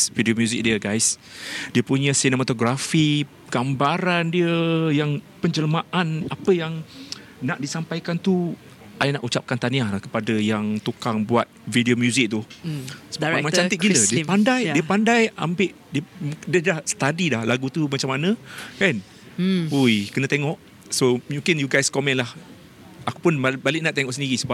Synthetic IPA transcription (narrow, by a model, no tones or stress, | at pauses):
vidiomjuzɪk̚diəɡajsdiəpuɲə̃sinəmat̪oɡɾafi | ɡ̥ambaɾandiəjaŋpəɲd͡ʒələmãʔanapəjaŋ | naʔdisampajkant̪u | ʔajnaʔut͡ʃap̚kant̪aniahlahkə̥padəjaŋt̪ukaŋbuat̪̚vidiomjuzɪk̚t̪usəbamat͡ʃãiʔɡilədiəpandajdiəpandaja̰mbɪʔ | diədədahsə̥t̪adilahlaɡut̪umat͡ʃamːanə̃kan | ujkənə̃t̪eŋɔʔ | somukɛnjuɡajskɔmɛ̃nlah | akupʊnbabalɪʔ̚naʔt̪eŋɔʔsəndiɣisəbap̚